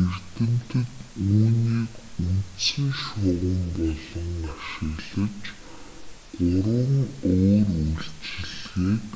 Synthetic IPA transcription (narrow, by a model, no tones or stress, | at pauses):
er̥t̪ɘ̆m̥t̪ɘ̆t̪uːniːkunsĭŋʃʊʁə̆mpɔɮɞ̆ŋːaʃɪ̆ɣɮɘ̆t͡ɕ | ɢʊɾə̆ŋoːruɮt͡ɕɪ̆ɮɣiːk